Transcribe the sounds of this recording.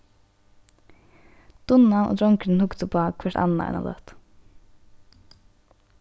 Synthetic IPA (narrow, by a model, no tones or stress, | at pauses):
d̪̥ʊnanʔo̰ːd̪ɾɔŋkɾɪnhʊkt̪ʊpʰaːkʰvɛʈa̰nːa̰ɛ̰na̰lœ̰ht̪